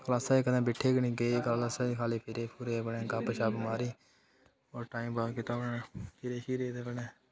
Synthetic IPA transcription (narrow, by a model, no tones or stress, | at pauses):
kəlaːsaeːkəd̪ãːbɪʈʰeːɡənĩːɡeːkəlasaːikʰaːleːpʰɪɾeːpʰuːɾeːeːbəɳẽːkaːpəʃaːbəmaːɾiː | oːɾʈaːiːmbaːkɪt̪aːnaepʰɪɾeːʃiːɾeːd̪eːbəneː